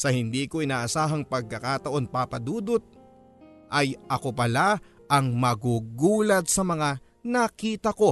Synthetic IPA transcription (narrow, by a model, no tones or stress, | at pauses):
sɐhɪnd̪iːko̞ʔɪnaːʔɐsaːɦɐŋpɐɡ̚kɐkat̪ɐʔo̞npapɐd̪uːd̪ot̪̚ | ʔɐjʔɐko̞pɐla | ʔɐŋmɐɡuɡuːlɐt̪̚sɐmɐŋa | nɐkiːt̪ɐko̞